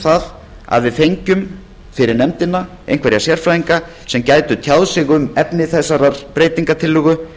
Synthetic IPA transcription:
θað | a̰ðvɪðfejɲcʏm | fɪɾɪɾnɛmt̪ɪnːa | ḛjn̥kʰvɛɾjasjɛɾ̥fɾajiŋka | sɛmcaːjt̪ʏt̪ʰjaðsɪɣʏmɛpnɪθɛsːaɾaɾ̥pɾeːjt̪iŋkat̪ʰɪlːʏɣʏ

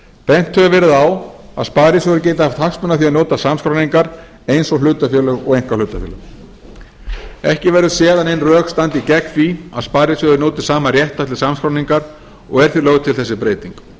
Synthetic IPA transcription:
pɛn̥t̪ʰːœvʏvɛːɾɪðawa̰ðspaːɾisœɣʏɾceːjt̪ɪhaft̪haksmʏnaθiaðnoːt̪asamskɾawniŋkaɾ | ejnsɔɣlʏːt̪afjœːlœɣɔɣejŋ̥kḁlʏːt̪afʏːlʏɣ | ɛhcɪvɛɾʏsjɛːðanejnrœːkst̪ant̪icɛkfia̰ðspaːðɾisœɣʏɾnoːt̪ɪ̥saːmarjɛht̪at̪lɪ̥samskɾawniŋkaɾ | ɔ̰ɣɛɾ̥θiɾlœːɣʏt̪ʰɪlθɛsːɪpɾeːjt̪iŋk

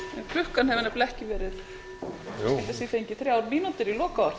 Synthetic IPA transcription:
ɛkʰlʏhkanhɛvɪnɛplɛhcɪvɛːɾɪð | ɪlt̪ɪsiːθejɲcɪθɾjawɾmiːnut̪ɪɾilɔːkaaɾ̥

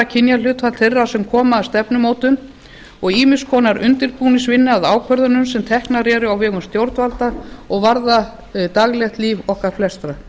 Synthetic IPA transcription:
acʰɪnjalʏːt̪fat̪θʰerːasɛmkʰɔːmaːðst̪ɛpnʏmoːwt̪ʏn | ɔɣiːmɪskʰɔːnaɾʏ̰nt̪ɪɾpuːnɪsvɪnːɪaðaːwkʰvœɾðʏnʏmsɛmt̪ʰɛhknaɾɛːɾʏawvɛːɣʏmst̪jowɾt̪valt̪aɔɣvaɾða | t̪aɣlɛxt̪liːvɔhkaɾ̥flɛst̪ɾa

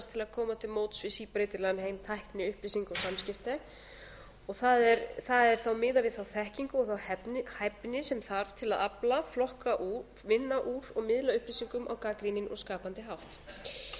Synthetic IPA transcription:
st̪ʰɪlaðkʰɔːmat̪ʰɪlmoːwt̪svɪsipɾejt̪ɪɾlanheːjmt̪ʰajhpnɪʏhplisiŋkɔɣsamscɪft̪a | ɔɣθaðɛɾθaðɛɾ̥θawmɪːðavɪðθawθɛhciŋkʏɔɣθawhɛhajpnɪsɛmθaɾv̥t̪ʰɪlaðaplaflɔhkaʔu | mɪnːaʔuːɾɔɣmɪðlaʏhpɾisiŋkʏmʔa̰wkaːkɾinɪnʔɔ̰ɣskaːpant̪ɪɦawht̪

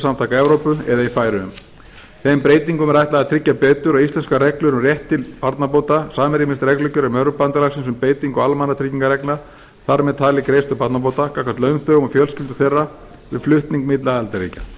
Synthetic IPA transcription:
samt̪ʰakaɛvɾowpʏɛðaifaːjɾʏʏ̰m | θɛːmpɾeːjt̪iŋkʏmɾajht̪laɣat̪ʰɾɪcːapɛːt̪ʏɾɔaðist̪ɛnskaɾɛklʏɾʏmrjɛht̪ːɪlpaɾt̪nap̬oːwt̪asaːmɪɾimɪst̪ɾɛklʏcːʏɾɛmœɾʏpant̪alaɣsɪnsʏmpeːjt̪iŋkɔalmanːat̪ʰɾɪcːiŋkaɾɛkna | θaɾmɛðt̪ʰaːlɪkɾeːjst̪ʏpaɾt̪nap̬owt̪akakʰat̪lœnθœɣmɔfjœlscɪlt̪ʏ̥θejrːa | vɪ̰ðflʏht̪niŋkmɪt̪laɛlt̪aɾḭːca̰

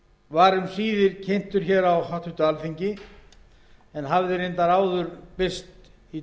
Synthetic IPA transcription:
vaɾʏmsiːðɪɾcʰejn̥t̪ʏɾ̥çɛːɾawhat̪ʏht̪ʏalfiɲcɪ | ɛnɦavðɪɾejnt̪aɾaːwðʏɾpɪst̪ | i

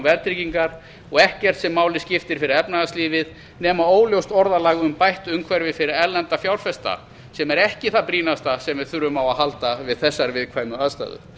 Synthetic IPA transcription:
vɛɾt̪ɾiciŋkaɾ̥ | ɔɣɛhcɛr̥t̪sɛmːaːwlɪscɪft̪ɪɾ̥fɪɾɪɾɛpnaasliːvɪð | nɛːmaoːwljowst̪ɔɾðalaːɣʏmpajht̪ʏmkʰvɛɾvɪfɪɾɪɾɛlɛnt̪afjawɾfɛst̪a̰ | sɛmɛɾɛhcɪθapɾiːnast̪asɛmvɪðθʏɾːʏmawahalt̪avɪðθɛsːaɾvɪðkʰvaːjmʏaðst̪a̰ːðʏ̰

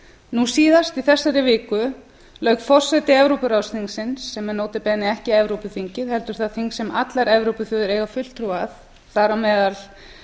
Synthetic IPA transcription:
nusiːðast̪iθɛsːaɾɪvɪːkʏ | lœɥkfɔr̥sɛt̪ɪɛvɾowpʏɾawsiŋsɪnsːɛmɛnoːwt̪ɪpɛːnɪɛhcɪɛvɾowpʏθiɲcɪðhɛlt̪ʏɾ̥θaðθiŋksɛmʔa̰t̪laɾɛvɾowpʏθʏːðʏɾeːjɣafʏl̥t̪ɾuːaθ | θaɾamɛːðal

